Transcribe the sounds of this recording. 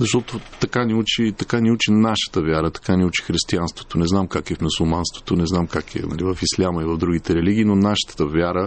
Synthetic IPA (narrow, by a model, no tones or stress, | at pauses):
zɐʃt̪ɔt̪ot̪ɐkaniut͡ʃit̪ɐkaniut͡ʃinaʃə̥t̪əvʲaɾət̪ɐ̥kanʲiut͡ʃi̥xɾist̪ianst̪vo̥t̪onɛznamkakɛfmusulˠmanst̪vo̥t̪onɛznamkakɛ̰nɐ̰livɐfislʲaməivɐvd̪ɾuɡit̪ɛɾɛliɡ̟iːnonaʃə̥t̪ə̥t̪əvʲjaɾə